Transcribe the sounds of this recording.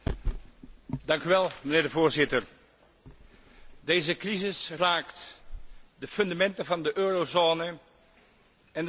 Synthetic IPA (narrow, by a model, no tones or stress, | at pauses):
dɑŋkyʋɛlˠmənɪːɹdəvoːɹzɪtər | dejzəkrizɪsraːkt | dəfɵndamɛntəvɑndəʔøːrozoːnə | ɛn